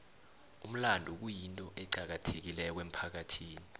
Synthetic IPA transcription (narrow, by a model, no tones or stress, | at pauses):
um̩landʱuk̬ujintʼɔʔɛɡ͡ǀʱak̬atʰek̬ilɛɔk̬wem̩pʰak̬atʰiːni